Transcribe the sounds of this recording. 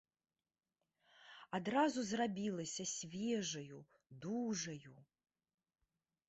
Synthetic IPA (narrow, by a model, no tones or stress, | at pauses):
ad̪razuzrabʲilˠɐsʲɐsʲvʲɛʐɐju | d̪uʐɐju